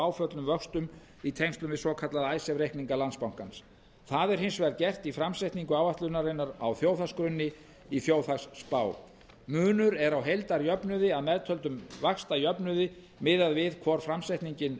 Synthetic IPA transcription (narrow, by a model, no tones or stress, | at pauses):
aːwfœt̪lʏmvœkst̪ʏm | it̪ʰejŋst̪lʏmvɪðsɔkʰat̪laðajsɛvɾejhkniŋkalant̪spawŋ̥kans | θaðɛɾ̥hɪnsvɛɾcɛr̥t̪ifɾamsajht̪niŋkʏaːwvaht̪lʏnaɾenaɾa̰wθjoːwθaskɾʏnːɪ | iθjoːwθaksːpaːw | mʏːnʏɾɛɾawɦejlt̪aɾjœpnʏðɪaðmɛðt̪ʰœlt̪ʏmvaxst̪ajœpnʏðɪ | mɪðaðvɪðkʰvɔɾ̥fɾamsajht̪niɲcɪn